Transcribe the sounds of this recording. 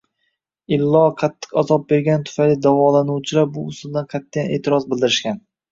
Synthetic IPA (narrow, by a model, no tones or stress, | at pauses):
ɪlːɒqʰɑt̪ʰːɨ̥qazɒp̚be̞ɾɡʲant̪ʰʊ̥fajlɪd̪avɒlanuwt͡ʃʰɪlaɾbʊʊst̪ʊlˠd̪anqʰat̪ʰːajane̞ːt̪ʰɪɾɒzbɪld̪ɪɾɪʃkʲan